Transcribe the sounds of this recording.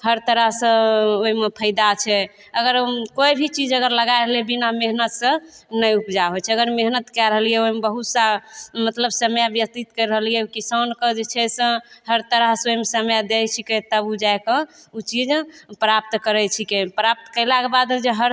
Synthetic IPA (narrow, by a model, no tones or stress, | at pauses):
həɾt̪əɾəɦsə̃oɦimepʰəjd̪at͡ʃʰɛ | əɡəɾkoibʱit͡ʃid͡ʒəɡəɾləɡaeɾəɦliɛbinameɦnət̪sə̃nəjupd͡ʒaɦot͡ʃʰɛəɡəɾmeɦnət̪kɛɾəɦəlijɛoɦmebəɦut̪samət̪ləbsəmjabjək̚t̪it̪kəɾəɦəlijɛukisankəd͡ʒet͡ʃʰɛsə̃ɦəɾt̪əɾəɦsoɦimesəmjad̪et͡ʃʰiket̪əbud͡ʒajkə̃ut͡ʃid͡ʒpɾap̚t̪kəɾɛt͡ʃʰikepɾap̚t̪kəjlakebad̪d͡ʒeɦəɾ